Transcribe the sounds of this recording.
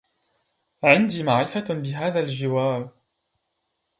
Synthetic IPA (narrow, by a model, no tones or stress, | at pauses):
ʕɪnd̪iːmaʕɾɪfabɪɦaːðalʒɪwaːl